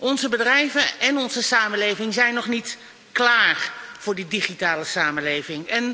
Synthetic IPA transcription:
ɔnzəbədrɛjvəɛnɔnzəsaːməlejvɪŋzɛjnɔχnit | klaːrv̥ʊːɹdidiχitaːləsaːməlejvɪŋɛn

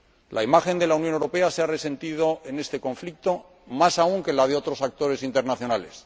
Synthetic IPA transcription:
lʔaimaxe̞nd̪e̞launjonewɾope̞aseare̞se̞nt̪ið̞o̞ene̞st̪e̞ko̞ɱflik̚t̪o̞ | masauŋke̞lað̞eo̞t̪ɾo̞sak̚t̪o̞ɾe̞sint̪e̞ɾnaθjo̞nale̞s

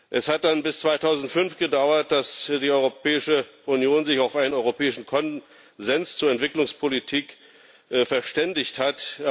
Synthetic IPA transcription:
ʔɛshat̚d̥anbɪst͡sv̥aɪtʰaʊzn̩tfʏnfɡ̥ədaʊɐt̚d̥asd̥iːɔʏʁopɛːɪʃəʔʊnjoːnzɪçaʊfʔaɪnənʔɔʏʁopʰɛːɪʃn̩kʰɔn | zɛnst͡suːɐɛntv̥ɪklʊŋspʰolitʰiːk | fɛɐʃtɛndɪçthat

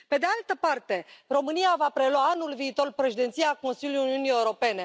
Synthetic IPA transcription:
pe̞d̪ealt̪əpart̪e̞ro̞mɨniavapɾe̞lwaanulviːt̪o̞rpɾe̞ʃed̪e̞nt̪sijako̞nsiljujuniunije̞uɾo̞pe̞ne̞

